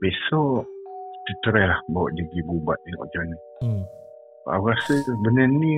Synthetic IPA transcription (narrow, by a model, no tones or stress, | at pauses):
besɔ | t͡ʃət̪əɾɛhlahbawa̰ʔdiɡibubat̪̚iŋɔ̰ʔd͡ʒɔni | a̰ɣasəbənəni